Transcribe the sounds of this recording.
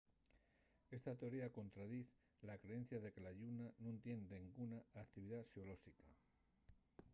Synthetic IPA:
e̞st̪at̪e̞o̞ɾiako̞nt̪ɾaðiθ | lakɾe̞e̞n̟θjaðe̞ke̞laʝunanũnt̪je̞nd̪eŋɡunaːkt̪iβ̞iðasiolo̞sika

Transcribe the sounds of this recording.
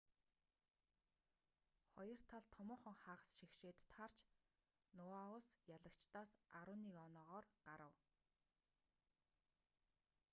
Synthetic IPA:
χɔjɞ̆r̥t̪ʰaɮt̪ʰɔmʊːχə̆ŋχaːʁə̆sʃixʃeːt̪ːʰar̥t͡ɕ | nʊaʊsjaɮə̆kt͡ɕt̪aːsaɾʊːniːkɔnɔːʁɔːrɢaɾə̰̆w

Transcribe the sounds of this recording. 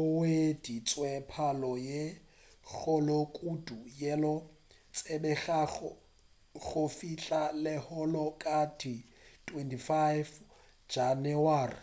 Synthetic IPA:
wed̥it͡sʼwɛpʰalɔje | k͡xʰʊlɔkʼudujɛlɔ | t͡sʼebɛɣa | ɣʊfiɬʼalɪhɔlɔkʼadʰi | tʰwɛntʰifajv | d͡ʒanɪwaːrɪ̰

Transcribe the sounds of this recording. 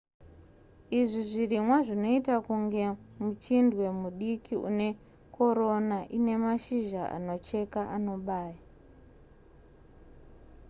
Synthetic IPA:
iʐiʐirimwaʐino̞itakuŋɡe̞mut͡ʃindwe̞muɗikʰiṵne̞ | ko̞ɾo̞naʔine̞maʃiʒaa̰no̞t͡ʃe̞kaʔano̞ɓaːja

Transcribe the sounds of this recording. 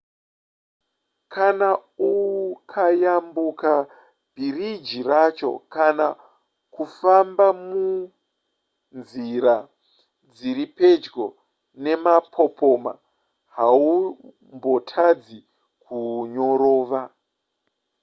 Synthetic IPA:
kʰanauukʰajambuka | b̥ʱirid͡ʒirat͡ʃo̞̰kana | kufambamu | nziɾa | d͡ziɾipe̞d͡ʒɡo̞ | ne̞mapʰo̞pʰo̞ma̰ | ɦau | mbo̞tʰad͡zi | kʰuɲo̞ɾo̞ːʋa

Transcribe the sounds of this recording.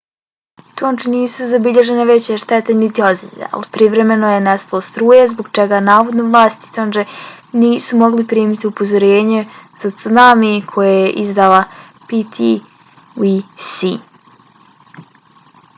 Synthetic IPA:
t̪ond͡ʒeniːsuzabiʎeʒeneʋet͡ɕeʃt̪ɛt̪enit̪io̞zd̪ḭḛa̰lipɾiʋɾe̞me̞nojenest̪alost̪ɾuːjezboɡt͡ʃɛɡanaːʋo̞d̪noʋlˠaːst̪i̥t̪ond͡ʒeniːsumo̞ɡlipɾiːmit̪iupozoɾeːɲez̥at̪sunamikʰo̞jejeʔizd̪alˠa | pit̪ʰi | wisi

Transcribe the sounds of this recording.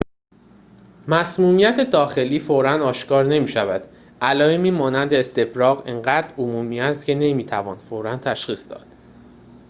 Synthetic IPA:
mæsmuːmijæt̪ʰe̞d̪ɒːxe̞liːfoɾænd̪ɒːʃkɒːɾne̞miːʃævæd̪̥ | ælɒːemiːmɒːnænd̪eːst̪e̞fɾɒːɣeŋɢæːd̪ɾomuːmiːæst̪cʰe̞ne̞miːt̪ʰævɒ̰ːnfoɾænt̪ʰæʃχiːsd̪ɒ̰ːd̪̥

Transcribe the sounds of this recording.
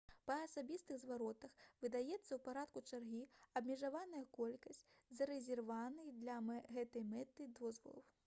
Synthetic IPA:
pɐːsabʲist̪ɨɣzvaɾɔt̪ɐxvɨd̪ajɛt̪sːɐwpaɾat̪kut͡ʂarɣʲiɐbmʲɛʐavanɐjɐkɔlʲkɐsʲt͡sʲzɐɾɛzʲɛrvanɨjd̪lʲɐɣɛt̪ɐjmɛt̪ɨd̪ɔzvɐ̰lˠɐ̰w

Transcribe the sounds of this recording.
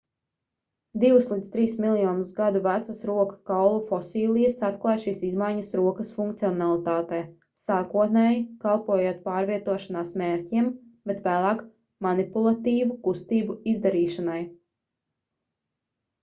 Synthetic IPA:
d̪iwuslˠid̪st̪ɾiːsmilˠjɔːnusɡad̪uvæt̪sasɾuɔkḁkawlˠufɔsiːlʲˠijəsat̪klˠaːjʃiːsizmajɲɐsɾuɔkɐsfuŋk̚t̪siɔnalˠit̪aːt̪ɛː | saːkuɔt̪̚nɛːjikalˠpuɔjuːt̪̚paːɾviɛt̪uɔʃanaːsmeːɾciɛmb̥ɛt̪væːlˠɑːk | manipulˠat̪iːvukust̪iːbuizd̪aɾiːʃanaj

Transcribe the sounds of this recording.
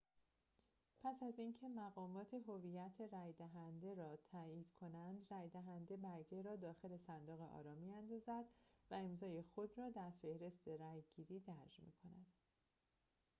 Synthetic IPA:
pʰæsæziːncʰe̞mæɣɒːmɒːt̪ʰeɦovijæt̪ʰeɾæjd̪æɦænd̪e̞ɾɒːt̪ʰæjiːd̪̥kʰo̞nænd̪ræjd̪æɦænd̪ebæɾɡeɾɒːd̪ɒːxe̞le̞sænd̪oːɣeʔɒ̰ːɾɒːmiːjænd̪ɒːzæd̪væe̞mzɒːje̞xo̞d̪ɾɒːd̪æɾfe̞hɾe̞st̪ʰe̞ɾæjɡiːɾiːd̪æɾd͡ʒmḭːkʰo̞næd̪̥

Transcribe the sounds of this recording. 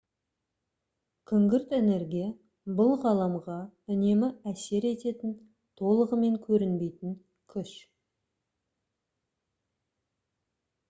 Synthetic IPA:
kʲʰʏŋɡʲɪɾt̪ene̞ɾɡʲije | bʊlˠʁɑlˠɑmʁɑʏne̞mɪæse̞ɾe̞t̪e̞t̪ɪn | t̪ʰo̞lˠəʁəme̞ŋkʲʰɵɾɪnbe̞jt̪ɪŋ | kʲʰʏʃ

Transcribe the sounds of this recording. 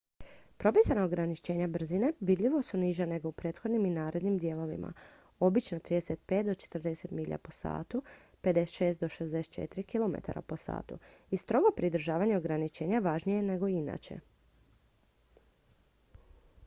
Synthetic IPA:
pɾo̞pisanaoɡɾanit͡ʃe̞ːɲabr̩zine̞ʋid̪ʎiʋo̞suniʒane̞ɡo̞upɾe̞ːt̪xo̞d̪niminaːɾe̞d̪nimd̪je̞ːlˠo̞ʋḭmʔa̰ | o̞bit͡ʃnot̪ɾiːd̪eset̪̚pe̞ːt̪̚d̪o̞t͡ʃe̥t̪r̩d̪e̞se̞t̪miʎa̰po̞sa̰ːt̪u | pe̞d̪ese̥t̪ʃe̞ːst̪d̪o̞ʃezd̪eset̪̚t͡ʃḛt̪iɾikilo̞mḛt̪a̰ɾa̰po̞sa̰ːt̪ṵist̪ɾo̞ɡo̞pɾid̪ɾ̩ʒaːʋaɲe̞oɡɾanit͡ʃe̞ːɲaʋaʒnije̞ne̞ɡo̞ina̰t͡ʃḛ

